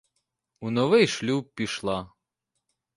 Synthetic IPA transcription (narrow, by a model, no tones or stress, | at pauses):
unɔʋɪjʃlʲup̚ːʲiʃlˠɑ